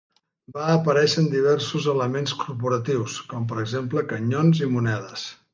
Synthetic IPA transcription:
baːpəɾɛʃənd̪iβ̞ɛɾsuzələmenskuɾpuɾət̪iwskɔmp̬əɾəɡzempləkəɲonzimunɛðəs

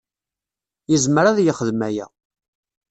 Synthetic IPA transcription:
jəzməɾaðjəχəðmæjæ̰

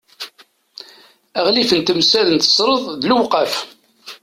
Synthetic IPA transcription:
æʁliθənt̪əmsæðənt̪ə̥sˤɾˤəðˤðluwqɑf

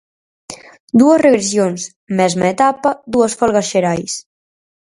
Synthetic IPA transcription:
d̪uəzreβɾes̬jons | mɛzmeet̪apad̪uəsfɔlˠɣaʃeɾajs

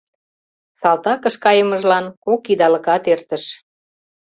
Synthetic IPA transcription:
sɑlt̪ɑkə̆ʃkɑjə̆mə̆ʒlɑnkokid̪ɑlə̆kɑt̪ert̪ə̆ʃ

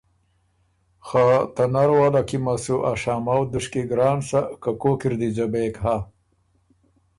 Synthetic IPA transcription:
xat̪anaɾwaːlakimasuʔaʂaːmawd̪uʂkiɡɾɑːnsakakokiɾd̪id͡ʒabekɦa

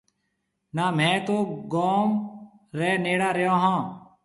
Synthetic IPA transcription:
naːmɛ̃ːt̪oːɡoːm | ɾɛːneːɽaːɾejãːɦãː

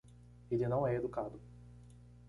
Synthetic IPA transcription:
elinɐ̃w̃ɛed̪ukad̪ʊ

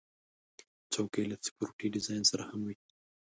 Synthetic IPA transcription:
t͡sokelasɪ̥kuɾʈiɖɪzɑjnsaɾahamwi

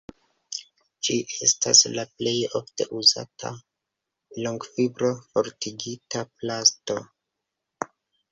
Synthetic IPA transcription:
d͡ʒiʔe̞sta̰slaple̞jo̞fte̞̰ʔuza̰tʰa̰ | loŋɡfibɾo̞fo̞ɾtiɡitaplasto̞

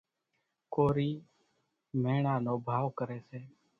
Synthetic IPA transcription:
koːɾiː | meːɳaːnoːbʱaːʋkəɾeːseː

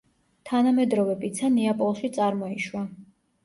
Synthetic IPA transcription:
t̪ʰanamɛd̪ɾɔvɛpʼit̪sʰanɛapʼɔlˠʃit̪sʼaɾmɔiʃwa

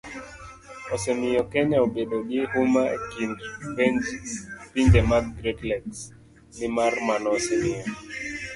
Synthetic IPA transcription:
ɔsɛmɪjɔkɛɲaobedoɡehumaḛkindpend͡ʒpindɛmadɡɾedlɛks | nɪmarmanɔsɛmɪjɔ

